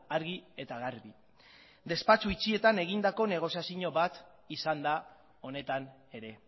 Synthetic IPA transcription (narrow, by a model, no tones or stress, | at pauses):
aɾɣie̞t̪aɣaɾβi | d̪e̞spat͡suit͡ʃie̞t̪ane̞ɣind̪ako̞ne̞ɣ̞o̞siasiɲo̞βat̪ | isand̪a | o̞ne̞t̪an | e̞ɾe̞